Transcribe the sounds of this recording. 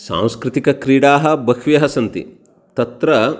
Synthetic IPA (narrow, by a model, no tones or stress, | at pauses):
sã̰ːw̃skɾit̪ikɐkɾiːɽaːɦɐbɐkʋijɐɦɐsɐnt̪ḭ | t̪ɐt̪ɾɐ